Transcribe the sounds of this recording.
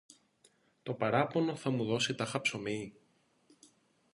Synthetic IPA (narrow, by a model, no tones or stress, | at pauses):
t̪o̞pɐɾɐpono̞θɐmuðo̞sit̪ɐxɐpso̞mi